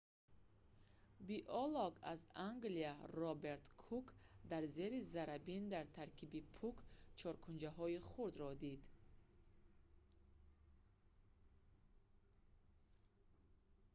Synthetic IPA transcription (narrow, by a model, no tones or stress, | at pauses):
biʔɔlɔɡa̰zaŋɡliaɾɔbe̞ɾt̪kʰukd̪aɾze̞ɾizaɾabind̪aɾt̪ʰaɾkʰibipʰukt͡ʃʰɔɾkʰund͡ʒaɦɔiχuɾd̪ɾɔd̪id̪